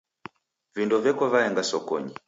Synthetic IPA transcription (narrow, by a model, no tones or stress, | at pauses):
vindɔvɛkɔvajɛŋɡasɔkɔ̰ɲi